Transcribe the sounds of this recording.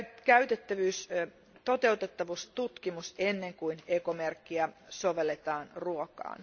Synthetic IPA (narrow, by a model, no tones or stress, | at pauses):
kæyt̪et̪ːæʋyːs | t̪ot̪eut̪et̪ːɑʋust̪ut̪kimusenːeŋkuinekomerkːiæsoʋelːet̪ɑːnruokɑ̰ːn